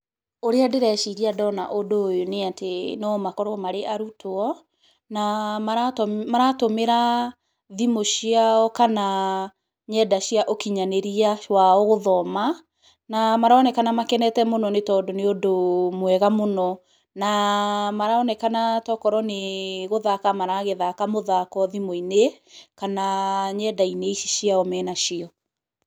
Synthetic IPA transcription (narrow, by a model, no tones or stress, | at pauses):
oɾeadeɾɛʃiɣiadɔna̰ʔodoːjoneatenɔmakɔɾɔmaɾeʔaɾutoɔ | namaɾamaɾatomeɾa | ðimoʃiaɔkana | ɲɛdaʃjaʔokiɲaneɾiawaoɣoðɔma | namaɾaɔnɛkanamakɛnɛtɛmonɔnetɔːdoneodomwɛɣamonɔ | namaɾaɔnɛkanatɔkɔɾɔneɣoðakamaɾaɣeðakamoðakɔðimoine | kanaɲɛdaineiʃiʃijaɔmɛːnaʃiɔ